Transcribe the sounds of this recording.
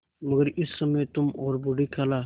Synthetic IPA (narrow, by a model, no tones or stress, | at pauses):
məɡəɾɪsːɐmet̪ʊmɔːɾbʊɖikʰaːlaː